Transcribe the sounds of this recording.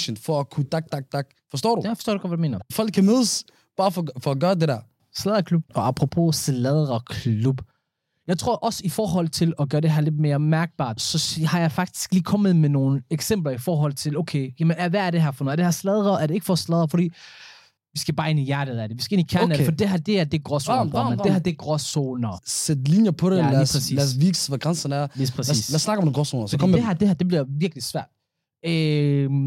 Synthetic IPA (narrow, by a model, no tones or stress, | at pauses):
ɕənd̥fɒækʰud̥ɑɡ̥̚d̥ɑɡ̥̚d̥ɑɡ̥fɒsd̥ɔ̰ːɾujafɒsto̰ːduɡɒd̥ʋædume̝̰ːnɐfɒl̰ɡ̚kʰːæmeðˠəs | b̥ɑ̈ːfɒfɒɡ̥ɶːɐdedæɐ | slɛðˠʁɐkʰlub̥ɒɑpʰʁopʰo̝slɛðˠʁɐkʰlub̥ | jɑ̈ɪt͡sʰʁo̝ɐ̰ʔɒ̽səifɒːɦɒ̽l̰t͡sʰe̝lɒ̽ɡ̥ɶːɐd̥eɦæɐle̝d̥me̝ːɐmæɐɡ̥̚b̥ɑ̰̈ːd̥sɒ̽hɑ̈jɑ̈ɪfɑ̈ɡ̥̚d̥ʰi̥sɡ̥liːkʰɒ̽mð̞̩ˠmeno̝ːn̩eɡ̥sem̰b̥lɐifɒːɦɒ̽l̰t͡sʰe̝loʊkʰejæmenæʋææɐɾ̥e̝ɦæ̈fɒnoɐd̥ehɑslɛðˠɐæɐɾe̝e̝ɡ̥fɒslɛð̞ˠɐfɒdḭː | ʋisɡ̥æb̥ɑ̈ːe̝nijæɐ̰d̥əðˠæd̥ɾeʋisɡ̥æe̝nikʰæɐnædfdiːd̥eɦæɐd̥e̝æɐd̥e̝ɡ̥ʁɒsoɐd̥ehæɐd̥e̝ɡ̥ʁɒsonɐsed̥linjɐpʰɔɾeiːpʰʁɛsḭːlæɐsʋiɡ̥sʋæɡ̥ʁansɐnæɐjespʰʁɛsslæɐsːnɑ̈ɡ̥ɐɔmdɡʁɔsonɐskeɦæɐd̥e̝hæɐd̥e̝b̥liɐʋiɐɡ̥lisʋæɐ̰d̥̚ | ø